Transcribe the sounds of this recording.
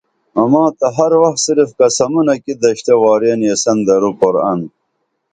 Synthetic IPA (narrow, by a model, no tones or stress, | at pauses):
ɐmɑːt̪ɐɦɐɾwɐxt̪siɾifkɐsɐmunɐkid̪ɐɕt̪ewɑːɾeːnjesɐnd̪ɐɾukoɾɐ̰n